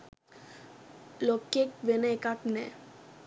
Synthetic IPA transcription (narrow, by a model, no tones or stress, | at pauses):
lokːekʋenɛekaʈnɛ